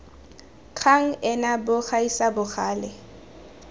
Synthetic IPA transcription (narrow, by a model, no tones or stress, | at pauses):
kʰaŋ̩ɛnabʊχʰaisabʊχaːlɛ